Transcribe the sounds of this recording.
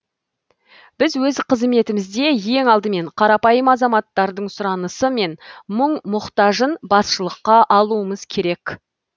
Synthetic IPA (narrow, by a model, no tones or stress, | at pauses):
b̥ɪzwɵzqʰəzme̞t̪ɪmɪzd̪e̞je̞ŋɑlˠd̪əme̞ɴqʰɑɾɑpɑjəmɑzɑmɑt̪ːɑɾd̪əɴsʊɾɑnəsəme̞nməɴmʊqt̪ɑʒənbɑsʃəlˠəqːɑʔɑlˠuəməz̥kʲʰe̞ɾe̞k